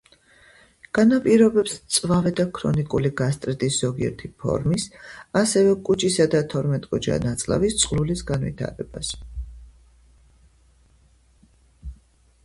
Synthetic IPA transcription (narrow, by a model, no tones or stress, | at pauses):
ɡ̥anapʼiɾɔbɛpst̪sʼvavɛd̪akʰɾɔ̰nikʼuliɡast̪ʼɾɛt̪ʼisz̥ɔɡiɛ̰ɾt̪ʰipʰɔ̰ɾmisasɛvɛkʼut͡ʃʼisad̪at̪ʰɔɾmɛt̪ʼkʼɔd͡ʒa̰nat̪sʼla̰vist̪sʼqʼlulisɡanvḭt̪ʰa̰ɾɛbas